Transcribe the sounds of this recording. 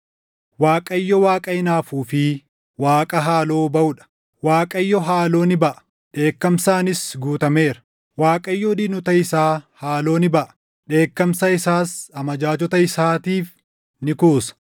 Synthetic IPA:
waːkʼɐɪjːɔwaːkʼɐɪnaːfuːfɪ | waːkʼɐɦaːlo̞ːbɐʊᶑɐ̥ | waːkʼɐjːɔɦaːlo̞ːnɪbɐʔɐ̥ | ᶑe̞ːkːɐmsaːnɪsɡuːt̪ɐme̞ːɾɐ̥ | waːkʼɐjːɔd̪ɪnʊt̪ɐɪsaːhaːlo̞ːnɪbɐʔɐ̥ | ᶑe̞ːkːɐmsɐɪsaːsɐmɐd͡ʒaːt͡ʃɔt̪ɐɪsaːt̪iːf | nɪkuːsɐ̥

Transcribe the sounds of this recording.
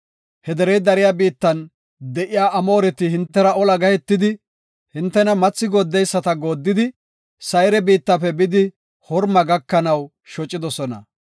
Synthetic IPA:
hɛd̪ɛɾɛjd̪ɐɾɪjaːbiːt̪ːɐn | d̪ɛʔɪjaːʔɐmo̞ːɾɛt̪ɪhɪnt̪ːɛɾɐɔlɐɡɐjɛt̪ːɪd̪ɪ | hɪnt̪ːɛnɐmɐt͡sːɪɡod̪ːɛjsːɐt̪ɐɡo̞ːd̪ːɪd̪ɪ | sɐjɾɛbiːt̪ːɐpɛbɪd̪ɪ | hɔɾmɐɡɐkːɐnɐw | ʃɔt͡ʃʼːɪd̪ɔsɔnɐ̰

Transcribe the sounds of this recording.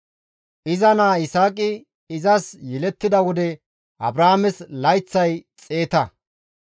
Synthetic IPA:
ʔɪzɐnaːɪsaːkʼɪ | ɪzɐsjɛlɛt̪ːɪd̪ɐwɔd̪ɛ | ʔɐ̰bɾaːmɛslɐjt͡sːɐjt͡sʼe̞ːt̪ɐ

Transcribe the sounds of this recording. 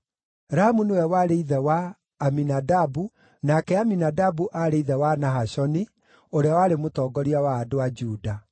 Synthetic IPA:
ɾahamunewɛwaɾeiðɛwaː | minadabu | nakɛaminadabuʔaɾeiðɛwanaɦaɕɔni | oɾeawaːɾemotɔːɡɔɾiawaːdoad͡ʒuːda

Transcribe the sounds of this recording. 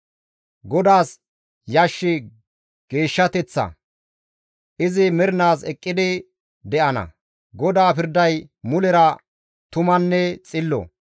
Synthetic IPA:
ɡɔd̪aːs | jɐʃːɪ | ɡ̥e̞ːʃːɐt̪ɛt͡sːɐ̰ | ʔɪzɪmɛɾɪnaːsɛkʼːɪd̪ɪ | d̪ɛʔɐnɐ̰ | ɡɔd̪aːpɪɾd̪ɐjmʊlɛɾɐ | t̪ʊmɐnːɛt͡sʼɪlːɔ̰

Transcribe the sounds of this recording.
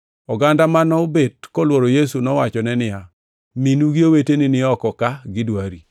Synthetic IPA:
ɔɡandamanɔobet̚kɔlwoɾojesunɔwat͡ʃɔnɛnɪja | minuɡiowetenɪnɪɔkɔkaɡɪdwaɾi

